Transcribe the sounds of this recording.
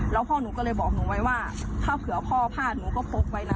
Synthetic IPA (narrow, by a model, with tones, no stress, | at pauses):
lɛ˦˥wpʰɔː˥˩nuː˩˦kɔː˥˩lɤː˧jbɔː˨˩k̚nuː˩˦wa˦˥jwaː˥˩t̪ʰaː˥˩wkʰɯ˨˩˦ɐ˦pʰɔː˧˥˩pʰaː˥˩t̪̚nuː˩˦kɔː˥˩pʰo˦˧˥p̚ːa˧jna˧